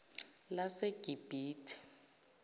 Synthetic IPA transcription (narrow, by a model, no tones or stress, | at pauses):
laseɡ̥ʱib̥ʱiːtʰi̥